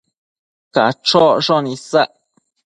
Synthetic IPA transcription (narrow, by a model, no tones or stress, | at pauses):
kaʈ͡ʂoʔʂonĩsaʔ